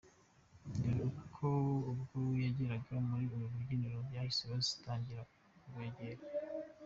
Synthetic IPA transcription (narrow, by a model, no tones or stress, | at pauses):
ndiɾukʰoubɡojaɟeɾaɡaomuɾiumuβuɡiɲiɾobjaːhiseβazi̥taːɲɟiɾa | uβweːɟeɾa